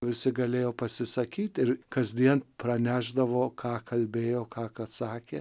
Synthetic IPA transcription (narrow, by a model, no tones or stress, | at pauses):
ʋʲɪsʲɪɡɐlʲeːjoːpɐsʲɪsɐkʲiːt̪ʲɪɾkɐzʲd̪ʲiɛnpɾɐnʲæːʒd̪ɐʋoːkʰɑːkɐlʲbʲeːjoːkɑːkɐt̪sɑːkʲeː